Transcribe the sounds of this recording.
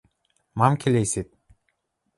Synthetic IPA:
mamkʲʰelʲesip̪̚

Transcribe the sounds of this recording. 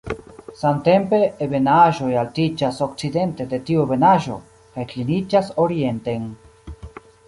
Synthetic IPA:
samte̞mpe̞ːβe̞naʒo̞jaltid͡ʒaso̞k̚t͡side̞nte̞de̞tiube̞naʒo̞̰ | kajklinid͡ʒaso̞ɾie̞nteŋ

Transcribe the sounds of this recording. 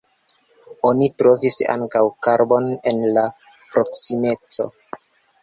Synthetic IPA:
onitɾo̞visa̰ŋkawkaɾbo̞nenla | pɾo̞ksime̞t͡so̞̰

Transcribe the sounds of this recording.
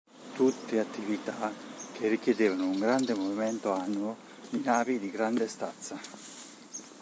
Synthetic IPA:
t̪ut̪ːeat̪ːivit̪akʰerːik̟jed̪eːvanouŋɡɾand̪emoviment̪oanːuo | d̪inaːvid̪iɡɾand̪est̪at̪sːa

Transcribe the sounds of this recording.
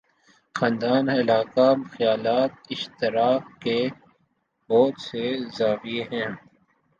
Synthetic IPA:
xãːnd̪aːnɪlaːkamxjaːlaːt̪̚ɪʃt̪ɪɾaːkke | boːt̪sezaːfieɦɛ̃ː

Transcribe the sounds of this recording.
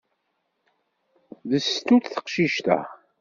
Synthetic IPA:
ðəst̪ut̪θə̥qʃiʃt̪æ̰

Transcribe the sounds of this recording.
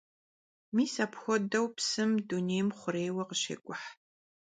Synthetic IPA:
miːsapxʷɔdɐwpsɨmduneːjmχʷʊɾeːjwɐqəʃḛːkʷʼʊħ

